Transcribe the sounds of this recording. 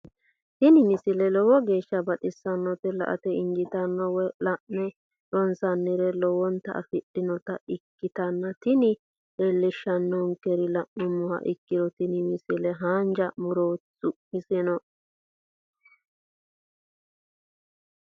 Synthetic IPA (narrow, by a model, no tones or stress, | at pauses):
t̪ɪnɪmɪsɪlɛlɔwɔɡe̞ːʃːɐbɐɗɪsːɐnːɔt̪ɛlɐ̰ʔɐ̰t̪ɛɪŋɡɪt̪ɐnːɔwɔlɐʔnɛ | jɔnsɐnːɪɾɛlɔwɔnt̪ɐ̰ʔɐ̰fɪɗɪnɔt̪ɐʔɪkːɪt̪ɐnːɐt̪ɪnɪ | elːɪʃːɐnːɔŋkːɛɾɪlɐʔmʊmːʊhɐ̰ʔɪkːɪɾɔt̪ɪnɪmɪsɪlɛɦaːnd͡ʒɐmʊɾoːt͡sːʊmɪsɪnɔ